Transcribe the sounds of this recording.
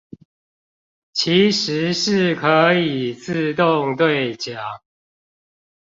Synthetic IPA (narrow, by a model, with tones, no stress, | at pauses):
t͡ɕʰi˨˦ʂɻ̩˨˦ʂɻ̩˥˨kʰɤ˨˦i˨˩t͡sɹ̩˥˧t̪ʊ˥˨˧ŋt̪we˥˨ɪt͡ɕja˨˩˦ŋ